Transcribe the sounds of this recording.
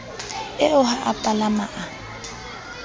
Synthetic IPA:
ɪʊhaʔapʼalamaʔa

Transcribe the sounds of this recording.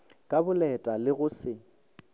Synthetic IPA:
kʼabʊlɛtʼalɪɣʊsɪ

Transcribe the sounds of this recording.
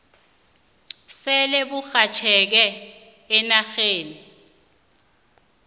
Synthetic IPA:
sɛlɛbuxat͡ʃʰɛk̬ɛː | naxeːni

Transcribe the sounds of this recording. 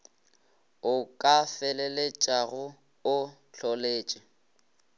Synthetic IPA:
ʊkʼafɛlɛlet͡ʃʼaɣʊ | ʊɬɔleːt͡ʃʼɪ

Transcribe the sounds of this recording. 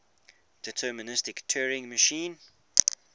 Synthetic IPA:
d̥ɪtʰɜːmənɪstɪktʰɜːɹɪ̃ŋməʃĩːn

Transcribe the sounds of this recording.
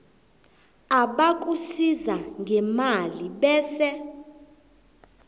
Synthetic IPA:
aɓak̬ʼusizaŋɡʱɛmaliɓɛːsɛ

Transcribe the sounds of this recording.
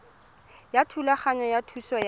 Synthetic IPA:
jatʰulaχaɲajatʰuswɔj

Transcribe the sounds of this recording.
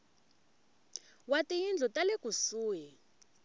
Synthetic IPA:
watʼijind͡ɮʱutʼalekʼusuːjɛ

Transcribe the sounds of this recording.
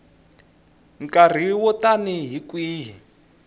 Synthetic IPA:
ŋ̩kar̤iwɔtaniɦikwiːɦi

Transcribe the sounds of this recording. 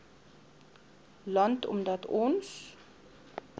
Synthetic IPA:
lɐntɔ̰mdɐtʰɔns

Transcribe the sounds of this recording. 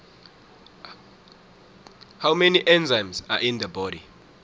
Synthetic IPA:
hawmɛniʔɛ̃nzajmza̰ʔĩnd̪əbɔdi

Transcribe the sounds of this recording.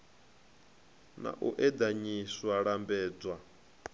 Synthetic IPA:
na̰ʔuʔɛd̪aɲiswaɺambɛːd͡zwa

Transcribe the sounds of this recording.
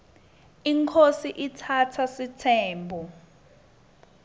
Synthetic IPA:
iŋkʰosiʔitʰatʰasitʰɛːmbʱu

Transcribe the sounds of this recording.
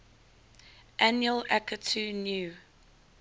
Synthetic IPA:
ʔænjuəlakətʰunjuː

